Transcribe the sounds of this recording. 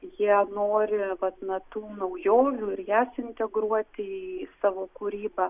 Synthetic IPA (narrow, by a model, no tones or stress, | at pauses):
jiɛnoːɾʲɪʋɐt̪nɐt̪uːnɐʊjoːʋʲuːɪɾjæːsɪnʲt̪ʲɛɡɾuɔt̪ʲɪisɑːʋoːkuɾʲiːbɐ